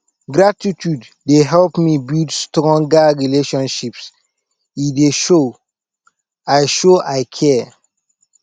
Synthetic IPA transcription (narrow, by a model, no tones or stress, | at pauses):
ɡɾatitʰjud | deɦɛlpmibildstɹɔ̃ŋɡaɹileʃɔ̃nʃips | ideʃo | ajʃoaɪkʰɛ